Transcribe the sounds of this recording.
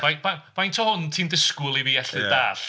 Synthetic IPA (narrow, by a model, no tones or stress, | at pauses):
vajvav̥ajntʰɔhʊntʰiːmdɪskʊlˠiviːɛɬɨdaːɬ